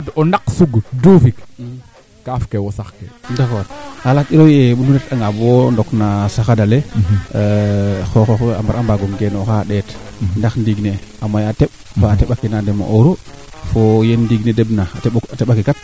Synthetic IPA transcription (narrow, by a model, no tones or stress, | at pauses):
donaksuɡdufik | kafkewosaxkḛndafotalatiɾojebunuɾetaŋɡabondoknasaxadale | xoxoxa̰mba̰ɾambaɡoŋɡenoxaɗetndaxndiɡneamajateɓ̚faːteɓakinandema̰ʔoɾofojendiɡnedebnaateɓateɓakikat̚